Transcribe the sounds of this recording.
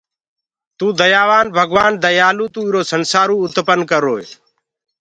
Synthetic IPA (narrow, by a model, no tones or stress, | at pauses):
t̪uːd̪əjaːʋaːnbʱəɡʋaːnd̪əjaːluːt̪uːɪɾoːsənsaːɾũːʊt̪pənkəɾoːḛ